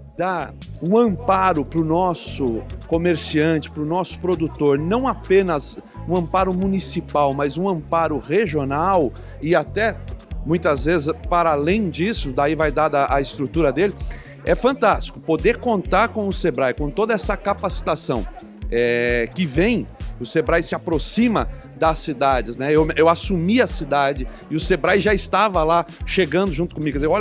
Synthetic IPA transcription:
d̪aũɐ̃mpaɾʊpɾʊnɔsʊkomeɾsiɐ̃nt͡ʃɪ̥pɾʊnɔsʊ̥pɾod̪ut̪oɾnɐ̃w̃apẽnɐzũɐ̃mpaɾʊmũnisipawmazũɐ̃mpaɾʊʁeʒionaw | ɪat̪ɛmũj̃t̪ɐzvezɪzpaɾalẽj̃d͡ʒisʊd̪aivajd̪ad̪ɐʔaɪst̪ɾut̪uɾɐd̪elɪ | ɛfɐ̃nt̪ast͡ʃi̥kʊpod̪eɾkõnt̪aɾkõw̃ʊsebɾajkõt̪od̪ɐɛsɐkapasi̥t̪asɐ̃w̃ | ɛkɪvẽj̃ʊsebɾajsɪapɾosĩmɐ | d̪ɐsid̪ad͡ʒɪznɛewewasumiɐsid̪ad͡ʒɪ | ɪʊsebɾajʒaɪst̪avɐlaʃeɡɐ̃nd̪ʊʒũnt̪ʊ̥kõmiɡʊkɛzewɔl

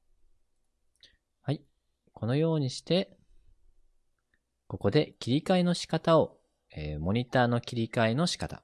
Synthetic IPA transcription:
hai | kʰo̞no̞jo̞ːɲ̟iɕi̥t̪e̞ | ko̞ko̞d̪e̞kʲiɾʲikaeno̞ɕi̥kat̪ao̞ | eːmo̞ɲ̟it̪aːno̞kʲiɾʲikaeno̞ɕi̥kat̪a̰

